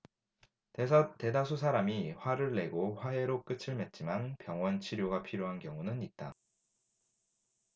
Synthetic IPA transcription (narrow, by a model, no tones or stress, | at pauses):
tesʰʌte̞dasʰus̬ʰaɾamiɸwaɾɯɭːe̞ɡoɸwaɦe̞ɾok͈ɯt͡ɕʰɯɭme̞t̚t͡ɕ͈imanpjʌŋwʌnt͡ɕʰiɾjoɡapʰiɾjoɦankjʌŋunɯnit̚t͈a